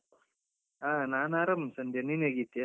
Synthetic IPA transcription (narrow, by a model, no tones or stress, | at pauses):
aːnaːnaːɾɐmsɐnd̪ʱjɐnineɡit̪ːja